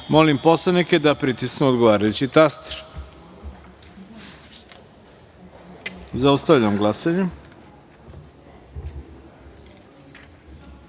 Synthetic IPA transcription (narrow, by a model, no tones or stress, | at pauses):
mo̞limpo̞slˠaniked̪apɾit̪isknuod̪ɡoʋaːɾajut͡ɕit̪ast̪e̥ɾ | zaust̪aʋʎamɡlˠasaɲe